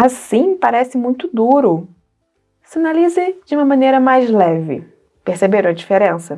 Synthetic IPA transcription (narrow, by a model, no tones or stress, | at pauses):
asĩpaɾɛsɪmũj̃t̪ʊd̪uɾʊ | sinalizɪd͡ʒɪũmɐmɐ̃nejɾɐmajzlɛvɪ̰ | peɾsebeɾ̃ɐd͡ʒifeɾẽsɐ